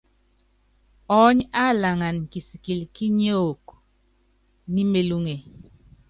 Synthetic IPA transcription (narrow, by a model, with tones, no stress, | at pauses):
ɔ˦ɲa˦˨la˨ŋa˨nki˨si˨ki˨lki˦ɲo˦o˨k | ni˦me˦lu˦ŋe˨